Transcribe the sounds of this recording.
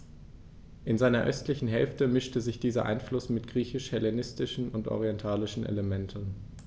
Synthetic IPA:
ʔɪnzaɪnɐʔœstlɪçn̩ɦɛlftəmɪʃtəzɪçd̥iːzɐʔa̰ɪnflʊsmɪtɡ̥ʁiːçɪʃhɛlenɪstɪʃn̩ʊntʔɔ̰ʁ̞iɛntʰaːlɪʃn̩ʔḛləmɛntʰn̩

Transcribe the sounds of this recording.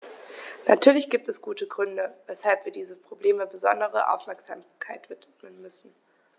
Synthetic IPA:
natʰyːɐlɪçɡ̥iːp̚tɛsɡ̥uːtəɡʁʏndəvɛshalpv̥iːɐdiːzəpʁ̥obleːməbəzɔndəʁəʔa̰ʊfmɛɐkz̥aːmkʰaɪtv̥ɪtmənmʏsn̩

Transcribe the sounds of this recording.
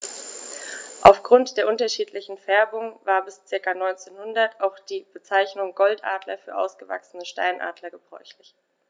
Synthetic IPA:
ʔa̰ʊfɡ̥ʁʊntd̥eːɐʔʊntɐʃiːtʰlɪçn̩fɛɐbʊŋvaːɐbɪst͡sɪɐkanɔʏnt͡seːnhʊndɐtaʊxd̥iːb̥ət͡saɪçnʊŋɡɔltʔa̰ːdlɐfyːɐʔa̰ʊsɡ̥əva̰ksən̩əʃta̰ɪnʔa̰ːdlɐɡəbʁɔ̰ʏçlɪç

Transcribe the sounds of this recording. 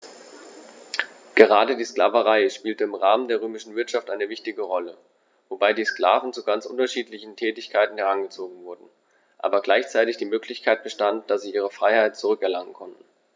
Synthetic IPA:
ɡ̥əʁaːdədiːskla̰ːvəʁaɪʃpiːltəɪmʁaːməndeːɐʁøːmɪʃn̩vɪɐtʃaftʔaɪnəvɪçtɪɡəʁɔlə | vobaɪdiːskl̥a̰ːvn̩t͡suɡant͡sʔʊ̰ntɐʃiːtlɪçn̩tʰɛːtɪçkʰaɪtn̩hɛʁanɡət͡soːɡŋ̩vʊɐdn̩ | ʔa̰ːbɐɡlaɪçt͡saɪtɪçd̥iːmøːkʰlɪçkʰaɪt̚b̥əʃtant̚d̥asz̥iːʔiːʁ̞əfʁ̥aɪhaɪt̚t͡suʁʏkɛɐlaŋənkʰɔntn̩

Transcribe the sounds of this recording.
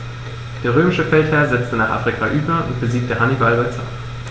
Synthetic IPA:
d̥əʁøːmɪʃəfɛlthɛːɐzɛt͡stənaːχa̰ːfʁikʰaʔyːbɐʔṵntb̥əziːk̚təhanivɑlbaɪt͡sɑ̰p

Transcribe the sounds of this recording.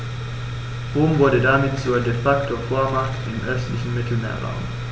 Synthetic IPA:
ʁʊmʋʊɐdədæɐmeːd̪suɐdefaktʰofoɐmɑktɪmʔœstlɪçn̩mɪt̪ʰl̩mḛːɐʁɑ̰ʊm

